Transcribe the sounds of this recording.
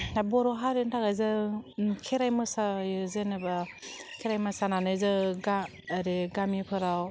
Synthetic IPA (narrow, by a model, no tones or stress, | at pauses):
nabɔɾɔɦaɾentʰakajzɯkʰeɾajmɯsajzenɯbakʰeɾajmasananɯzɯɡaː | ɾeɡamipʰɯɾaw